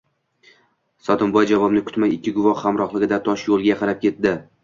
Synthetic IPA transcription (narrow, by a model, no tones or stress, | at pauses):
sɒt̪ʰɪmbɒjd͡ʒavɒbnɪkʰʊ̥t̪majɪkʲːɪɡʊvɒhhamɾɒχlˠɪɡʲɪd̪at̪ʰɒʃjolˠɡʲaqʰɑɾap̚kʲe̞t̪d̪ɪ